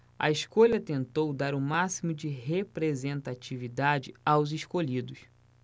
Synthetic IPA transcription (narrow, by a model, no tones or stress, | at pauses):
ɐ̰iskoʎɐt̪ẽnt̪owd̪aɾʊmasimʊd͡ʒɪɦepɾezẽnt̪at͡ʃivid̪ad͡ʒɪawziʃkolid̪ʊs